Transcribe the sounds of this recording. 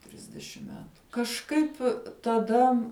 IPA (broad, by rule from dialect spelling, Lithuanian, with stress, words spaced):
ˈtʲrʲɪzʲdʲɛʃʲɪm ˈmʲæːtʊ kɐʃˈkɐɪpʲ tɐˈdɐ